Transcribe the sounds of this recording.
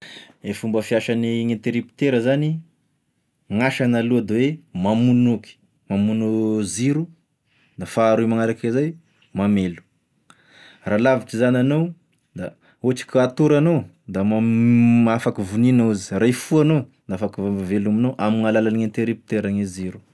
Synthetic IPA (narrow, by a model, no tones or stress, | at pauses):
efumbəfiaʃaniŋent̪eɾipi̥t̪eɾəzani | ŋaʃanaluad̪ewemamunuki̥ | mamunuziɾu | d̪afaːɾuimaŋaɾakizaj | mamelu̥ | ralaviʈ͡ʂizananow | d̪a | oʈ͡ʂi̥kʲat̪uɾano | d̪amamaafakivuninauzi̥rajfuanond̪aafakivambavelaminowʔamiŋalalaniŋent̪eɾipi̥t̪eɾaŋeziɾu̥